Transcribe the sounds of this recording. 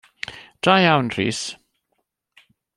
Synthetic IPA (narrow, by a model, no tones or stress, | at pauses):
d̥rajawnr̥ḭːs